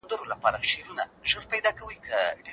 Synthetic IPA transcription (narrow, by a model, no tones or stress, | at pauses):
nd̪əɾolapɑɾaʃeɾunaʒəɾpajd̪ɑkawəjkəɖ